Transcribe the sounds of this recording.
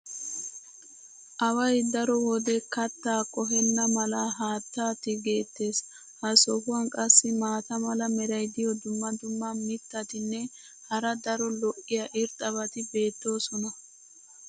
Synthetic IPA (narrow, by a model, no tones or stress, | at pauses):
ʔɐwɐjd̪ɐɾɔwɔd̪ɛkɐt̪ːaːkʼɔɦɛnːɐmɐlɐɦaːt̪ːaːt̪ɪɡe̞ːt̪ːe̞ːs | hɐsɔhʊwɐnkʼɐsːɪmaːt̪ɐmɐlɐmɛɾɐjd̪ɪjɔd̪ʊmːɐd̪ʊmːɐmɪt̪ːɐt̪ɪnːɛ | hɐɾɐd̪ɐɾɔlɔʔːɪjɐʔɪɾt̪ʼɐβɐt̪ɪbe̞ːt̪ːo̞ːsɔnɐ